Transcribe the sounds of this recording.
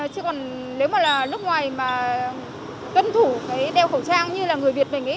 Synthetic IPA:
t͡ɕi˧˨kɔ˨˩n | le˨˦wmaː˨˩laː˨˩nɨ˦˥k͡p̚ŋwaː˨˩jmaː˨˩ | k̪ə˧nt̪ʰu˧˩kaː˨˦jɗɛ˧˩wxə˧˩wt͡ɕaː˧ŋɲɨ˧laː˨˩ŋɨ˨˩əjvi˨˩ət̚mə˨˩ŋi˨˦

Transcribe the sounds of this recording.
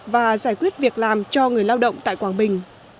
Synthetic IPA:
vaː˨˩zaː˧˩jkwi˦˥ət̚vi˨˩ək̚laː˨˩mt͡ɕɔ˧ŋɨ˨˩əjlaː˧wɗə̰˧˨wŋ͡mt̪a̰ː˧˨jkwaː˧˩ŋɓï˨˩ŋ̟

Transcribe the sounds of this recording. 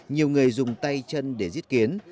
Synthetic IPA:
ɲi˨˩əwŋɨ˨˩əjzʊ˨˩ŋ͡mt̪a˧jt͡ɕə˧nɗe˧˩zi˦˥ət̚ki˨˦ən

